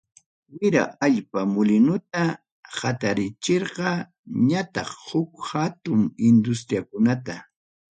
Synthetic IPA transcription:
wɪɾa̰ʔaʎpamʊlɪnʊt̪a | hat̪aɾɪt͡ʃeɾɢɑ | ɲat̪ɑχhʊkhat̪ʊŋɪnd̪ʊs̬t̪ɾjakʊnat̪a

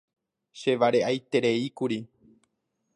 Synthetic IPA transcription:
ʃe̞ʋaɾe̞ʔajt̪e̞ɾe̞ikuɾi

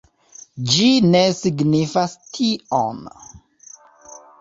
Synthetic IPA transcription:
d͡ʒine̞siɡnifastʰio̰n

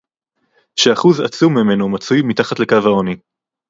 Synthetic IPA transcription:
ʃeaχuza̰t͡sumːime̞nomat͡sujmitaχatle̞kavaoni

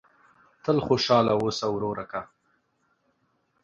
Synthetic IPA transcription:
t̪əlxoʃɑlawosawɾoɾaka

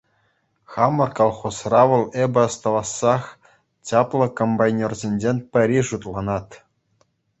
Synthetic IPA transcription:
χɑmɤ̆rkɑlˠχosrɑʋɤ̆lˠebʲɘ̆ɑst̪ɑʋɑsːɑχ | t͡ɕʲɑplˠɤ̆kombɑjnʲerzʲenʲd͡ʑenʲpʲɘ̆ɾʲiʐut̪lˠɑnɑt̪

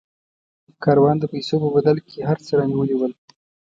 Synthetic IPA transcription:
kɑɾwɑnd̪əpajsopəbad̪alkʰeɦaɾt͡səɾɑniwəliwəl

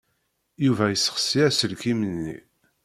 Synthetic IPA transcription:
juvæjəsːə̥χsiæsəlkimənːḭ

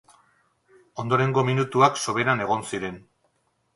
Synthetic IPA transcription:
o̞nd̪o̞ɾe̞ŋɡo̞minut̪uakso̞βe̞ɾane̞ɣ̞o̞nsiɾe̞n

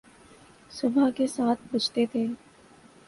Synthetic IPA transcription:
sʊbakesaːt̪ʰbɐt͡ʃt̪et̪ʰeː

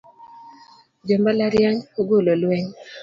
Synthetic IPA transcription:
d͡ʒɔmbalaɾjaɲoɡololwɛŋ

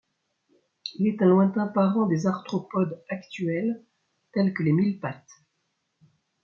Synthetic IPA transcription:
ilɛt̪ɛ̃lwɛ̃t̪ɛ̃paʁɑ̃d̪ezaʁt̪χɔpɔd̪akt̪ɥɛl | t̪ɛlkəlemilpat̪

